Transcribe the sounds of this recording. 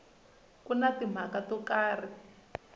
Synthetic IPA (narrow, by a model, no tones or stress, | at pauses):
kunatim̤akatɔkaːri